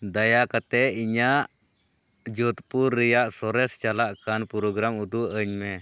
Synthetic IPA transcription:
d̪ajakat̪ɛiɲaʔ | d͡ʒɔt̪puɾːɛjaʔsɔɾɛst͡ʃalaʔkanpɔɾɔɡɾamud̪uʔəɲmɛ

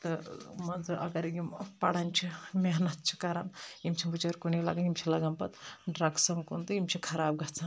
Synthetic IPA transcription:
t̪ɨmɐnd͡zɨʔɐ̰ɡɐɾjimpɐɽɐnʲt͡ʃʰimʲeɦnɐt̪̚t͡ʃʰi̥kɐɾaːmjimt͡ʃʰibut͡ʃɐɾkunila̰ɡɐnjimt͡ʃʰilɐɡɐmpɐt̪ɖɾɐɡsɐmkunt̪ɨjimt͡ʃʰikʰɐɾaːb̚ɡɐt͡sʰan

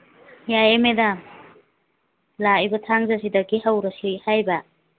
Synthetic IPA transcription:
jajemeda | laibɐtʰaŋzasidɐɡihawɾasihajba

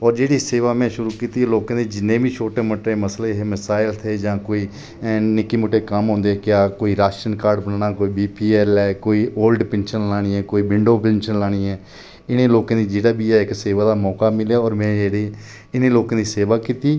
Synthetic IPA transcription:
ɔːɾd͡ʒeːɽiːseːʋaːmɛ̃ːʃʊɾuːkiːt̪iːloːkãːd̪eːd͡ʒɪnːẽːbiːt͡ʃʰoːʈeːməʈɾeːməsleːɦeməsaːɪlt̪ʰeːd͡ʒãːkoːiː | nɪkːiːmʊʈːeːkəmɦõːnd̪eːɛkɪjaːkoːiːɾaːʃʈɾənkaːɾɖbənːɳaːkoːiːbiːpiːɛːlɛːkoːiːʔoːlɖpɛ̃ːnʃənlaːɽ̃iːɛːkoːiːbɪɳɖoːpɛ̃ːnʃənlaːɽ̃iːɛː | ɪnẽːloːkãːd̪iːd͡ʒeːɽaːbiːɛːɪkseːʋaːd̪aːmɔːkaːmɪljaːɔːɾmɛ̃ːd͡ʒeːɽeː | ɪneːloːkãːd̪iːseːʋaːkiːt̪iː

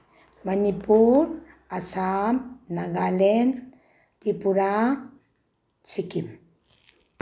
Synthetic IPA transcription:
manipuɾ | asamnaɡalen | tipuɾa | t͡ʃikim

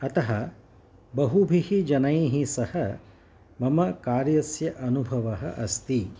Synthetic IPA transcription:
ɐt̪ɐɦɐ | bɐɦubʱihid͡ʒɐnɐjɦisɐhɐ | mɐmɐkaːɾjɐsjɐʔɐnubʱɐʋɐɦɐʔɐst̪i

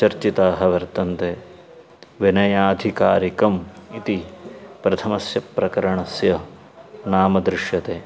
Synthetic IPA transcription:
t͡ʃɐɾt͡ʃit̪aːɦɐʋɐɾt̪ɐnt̪eː | ʋinɐjaːd̪ʱikaːɾikɐmit̪ipɾɐt̪ʰɐmɐsjɐpɾɐkɐɾɐɳɐsjɐ | naːmɐd̪ɾɪʂjɐt̪eː

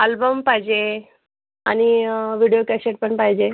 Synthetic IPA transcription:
albəmpaɦid͡ʑe | a̰ñiʋiɽijokɛseʈ̚pəɳpaɦid͡ʑe

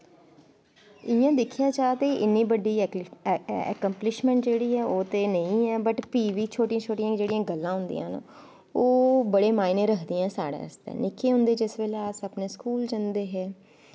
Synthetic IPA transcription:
ɪjãːd̪ɪkʰijaːt͡ʃaːt̪eːʔɪnːiːbəɖiː | ɛ̰ːkəmplɪʃmɛ̃ɳʈd͡ʒeːɽiːɛːoːt̪eːnəĩːɛːbəʈpiːʋiːt͡ʃʰoːʈijãːt͡ʃʰoːʈijãːd͡ʒeːɽɪjãːɡəlːãːɦʊ̃nd̪ḭjã̰ːn | oːbəɽeːmaːinẽːɾəkʰd̪ijãːsaːɽa̰ːst̪ɛ̰ːnɪkʰːeːɦʊ̃nd̪eːd͡ʒɪsʋeːleaːsəpneːskuːld͡ʒãnd̪eːɦɛː

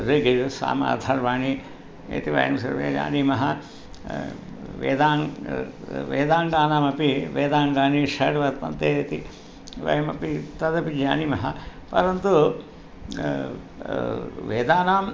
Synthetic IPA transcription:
ɾeɡiɾsa̰ːma̰ːd̪ʰʱaːɾʋaːɳi | ḛt̪iʋɐ̰jɐ̰msɐ̰ɾʋḛːd͡ʒa̰ːnimɐɦɐ | ʋḛːd̪aːŋ | ʋeːd̪aːŋɡaːnaːmɐpiʋeːd̪aːŋɡaːniʂɐɽʋɐt̪ːɐnt̪eːet̪i | ʋɐ̰jɐmɐ̰pit̪ɐd̪ɐpid͡ʒaːnimɐɦɐpɐɾɐnt̪u | ʋeːd̪aːnaːm

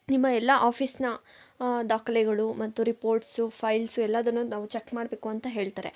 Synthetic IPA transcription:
nimːɐɛlːɐʔaːpʰiːsnɐ | d̪aːkɐlɛɡɐɭumɐt̪ːuɾipo̞ːɾʈsupʰɐjlsuɛlːaːd̪ɐnːunaːʋut͡ʃekːmaːɽbeːkuɐnt̪ɐɦe̞ːɭt̪aːɾe̞̰

